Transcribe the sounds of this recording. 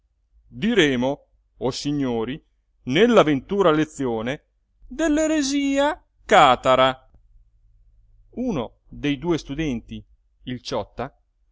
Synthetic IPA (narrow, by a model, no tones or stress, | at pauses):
d̪iɾeːmo | osiɲːoːɾi | nelːavent̪uːɾalet̪sːjoːne | d̪elːeɾeziːa | kaːt̪aɾa | uːno | d̪ejd̪uːest̪ud̪ɛnt̪i | ilt͡ʃɔt̪ːa